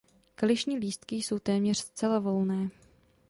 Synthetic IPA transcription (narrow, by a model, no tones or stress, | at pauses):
kalɪʃɲiːliːst̪kɪjso̞wt̪ɛːmɲɛr̝̥st͡sɛlavo̞lnɛː